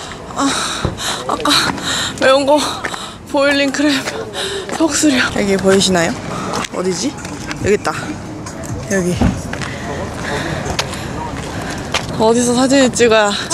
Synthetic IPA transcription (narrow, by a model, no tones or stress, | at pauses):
a | a̰k͈ameuŋɡʌ | poilːinkɯɾempʰʌk̚s͈ɯɾiʌʌɡepʌiɕʰinajoʌ̰did͡ʑi | jʌɡet̚t͈a | jʌɡi | ʌdis̬ʰʌsʰad͡ʑinet͡ɕ͈iɡa